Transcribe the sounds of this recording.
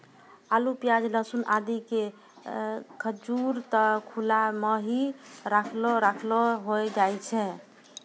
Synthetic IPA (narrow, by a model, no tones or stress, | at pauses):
alupjad͡ʒləsunʔad̪ike | kʰəd͡ʒuɾt̪ɔkʰulameɦiɾakʰlɔɾakʰlɔɦojd͡ʒajt͡ʃʰɛ